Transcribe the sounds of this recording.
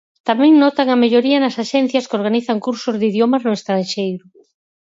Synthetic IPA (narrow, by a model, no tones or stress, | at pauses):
t̪amɛ̃ŋnɔt̪aŋɐmeʎoɾiɐnɐsaʃɛn̟θjɐskoɾɣ̞aniθɐŋkuɾsʊzðiðjomɐznʊest̪ɾanʃejɾʊ